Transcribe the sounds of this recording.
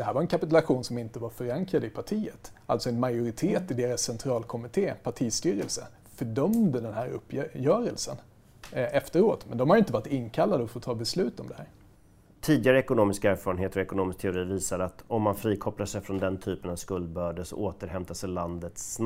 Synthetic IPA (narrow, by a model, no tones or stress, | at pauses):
d̪ɛɦæːɾvaɾɛnkʰapɪt̪ʉlaɧuːnsɔmɪnt̪əvaɾfœɾaŋkɾad̪əɪpʰaʈʰiːət̪a̰lt̪sɔɛnmajʊɾɪt̪ʰeːt̪ɪd̪eːɾasːɛnt̪ʰɾɑːlkʰɔmɪt̪ʰeːpʰaʈʰiːst̪yːɾəlsə̰ | fœɖœmd̪əd̪ɛnɦæːɾɵ̰pːjœːɾəlsə̰n | ɛft̪əɾoːt̪mɛnd̪ɔmhaɾjʏɪnt̪əvɑːɾɪt̪ɪnːkʰalːad̪əɔfɔɾt̪ʰɑːbɛslʉ̟ːt̪ɔmd̪ɛhæ̰ːɾ | t̪ʰiːd̪ɪɡaɾəɛkʊnoːmɪskaæːɾfɑːɾəneːt̪əɾɔɛkʊnoːmɪsk̚t̪ʰɛʊɾiːviːsad̪at̪ɔmːanfɾiːkʰɔplaʂɛjfɾɔnd̪ɛnt̪ʰyːpənavskɵld̪̚bœːɖəsɔ̰oːt̪əɾhɛmt̪asɛland̪ət̪s